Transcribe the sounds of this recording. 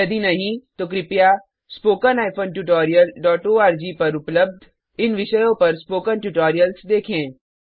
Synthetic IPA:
jɐd̪inɐɦĩt̪oːk̬ɾɪpjaː | spoːkənaːɪfoːnʈjuːʈɔːɾijəlɖɔːʈoːaːɾd͡ʒiːpɐɾʊpləb̚d̪ʱ | ɪnʋɪʃəjõpɐɾspoːkənʈjuːʈɔːɾijəlsd̪eːkʰẽː

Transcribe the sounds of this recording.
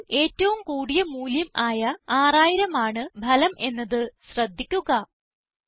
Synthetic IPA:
e̞ːtːɐʋumkuːɽijɐmuːljɐmaːjɐaːraːjiɾɐmaːɳɨbʱɐlɐmʔe̞nːɐðɨɕrɐd̪ʱːikʲːuɣɐ

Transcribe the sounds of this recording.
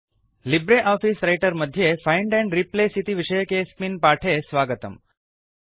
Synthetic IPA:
libɾeʔɔfisɾajʈəɾməd̪ʱjefajɳɖɛ̃ɳɖɾiplesit̪iʋiʃəjəkespinpaʈʰesʋaɡət̪ə̰m

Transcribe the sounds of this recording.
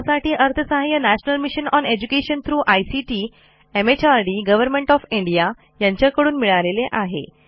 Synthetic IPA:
saʈiːʔəɾt̪ʰəsaɦajənæɕnəlmiɕənɔned͡ʑukeɕənt̪ʰɾuːʔajsiʈiː | emet͡ɕaɾɖiːɡəʋəɾmẽɳʈɔfiɳɖija | jaɲt͡ɕakəɽuːnmiɭaleleʔaɦḛ

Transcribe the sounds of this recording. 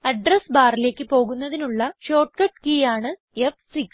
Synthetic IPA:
ɐɖrɐsbaːrile̞ːkʲːɨpo̞ːɣunːɐðinuɭːɐɕo̞ːʈkɐʈkiːjaːɳɨ | efsiks

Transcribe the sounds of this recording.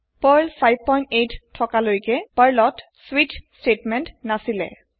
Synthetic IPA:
pəɹlpʰajb̚pɔjntejttʰːɔkalojikɛpəɹlɔt | switstetmɛntnasilɛ̰

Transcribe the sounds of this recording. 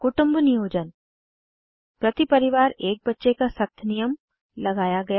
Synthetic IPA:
kʊʈʊ̃mbnijoːd͡ʒən | pɾɐt̪ipɐɾɪʋaːɾeːk̚bɐtːʃekasɐk̚t̪ʰnijəm | lɐɡaːjaɡɐja

